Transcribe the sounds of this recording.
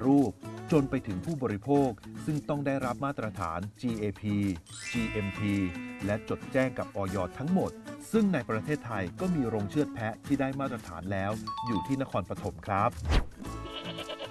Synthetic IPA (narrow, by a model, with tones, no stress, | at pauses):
ɾuː˥˩p̚t͡ɕo˧npa˧jt̪ʰɯ˩˦ŋpʰuː˥˩bɔː˧ɾi˦˥pʰoː˥˩k̚sɯ˥˩ŋt̪ɔ˥˩ŋdaː˥˩jɾa˦˥p̚maː˥˩t̪ːɾa˧t̪ʰa̰ː˩˦nt͡ɕiː˧ʔeː˧pʰiː˧ | t͡ɕiː˧ʔe˧mpʰiː˧lɛ˦˥t͡ɕo˨˩t̪̚t͡ɕɛː˥˩ŋka˨˩p̚ʔɔː˧jɔː˧˩t̪ʰːa˦˥ŋmo˨˩t̪̚sɯ˥˩ŋna˧jpɾa˧t̪ʰeː˥˩t̪ʰːa˧jkɔː˥˩miː˧ɾoː˧ŋt͡ɕʰɯ˥˩ət̪̚pʰɛ˦˥t̪ʰiː˥˩daː˥˩jmaː˥˩t̪̚ɾa˧t̪ʰaː˩˦nlɛː˦˥wjuː˨˩t̪ʰiː˥˩na˦˥kʰɔː˧npɾa˧t̪ʰo˩˦mkʰɾa˦˥p̚